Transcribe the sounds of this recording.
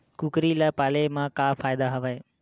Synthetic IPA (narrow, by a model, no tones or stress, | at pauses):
kukɾilapaːlemãːkaːfaːjd̪aɦəʋae